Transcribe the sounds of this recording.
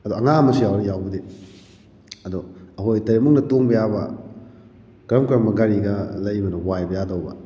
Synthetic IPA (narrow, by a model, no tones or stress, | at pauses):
ɐduɐŋamɐsijawɾijawbɐde | ɐduɐɦojtɐɾemuk̚nɐtoŋbɐjabɐ̰ | kɾɐmkɾɐmɐɡaɾiɡɐlɐjbɐnowajbɐjadɐwbɐ̰